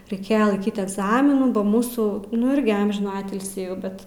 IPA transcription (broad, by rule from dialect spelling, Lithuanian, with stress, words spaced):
rʲɛɪˈkʲeːjɛ lˠɐɪˈkʲiːt ɛɡˈzɑːmʲɪnuː bɐ ˈmuːsuː nʊ ˈɪrʲɡʲɪ ˈɐmʲʒʲɪnuː ˈɑːtʲɪlʲsʲiː jɛʊ ˈbʲɛt